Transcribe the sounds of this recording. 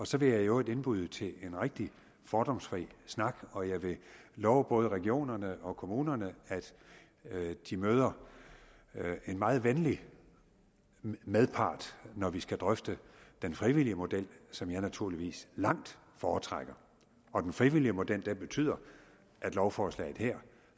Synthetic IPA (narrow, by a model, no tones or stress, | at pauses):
ɒ̽sɒ̽ʋe̝jɑ̈ɪjoe̝d̥e̝nb̥uð̞̰ˠt͡sʰe̝le̝nʁaɡ̥̚d̥i | fɒːd̥ɒ̽msfʁḭːsnɑ̈ɡ̥ɒ̽jɑ̈ɪʋe̝lɒʊb̥ɔ̽ːðˠəʁɛɡ̥io̝̰ːnɐnəɒ̽kʰo̝muːnɐnəæd̥ | d̥imøːð̞ˠɐ | e̝nmɑ̈ːð̩ˠʋenli | meðˠpʰɑ̰̈ːd̥nɒʋisɡ̥æd̥ʁœfd̥əd̥enfʁiʋiliəmo̝d̥el̰sɒ̽mjɑ̈ɪnæt͡sʰuɐliʋḭːslɑ̈ŋ̰d̥ | fɒːt͡sʰʁaɡ̥ɐ | ɒ̽d̥enfʁiʋiliəmo̝d̥el̰d̥enb̥e̝t͡sʰy̰ð̰ˠɐ | ʔæd̥lɒʊfɒːslɛ̰ɪð̩ˠheɐ̰